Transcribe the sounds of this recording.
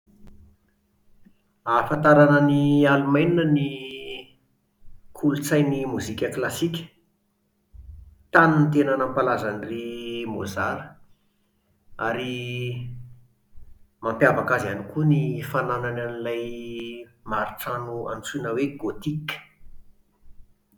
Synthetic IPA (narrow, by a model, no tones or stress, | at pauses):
afant̪aɾanənialumajninəni | kʰulut͡sajnimuzikʲəklasikʲə̥ | t̪anunit̪enanampalazanirimo̰zaɾə | aɾi | mampjavakazanikunifananananilaj | maɾiʈ͡ʂanua̰nt͡sunəweɡot̪ikə̥